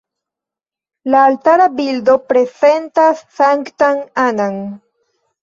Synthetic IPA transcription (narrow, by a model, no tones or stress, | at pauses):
laːltaɾabildo̞pɾe̞ze̞ntasːaŋktaŋanaŋ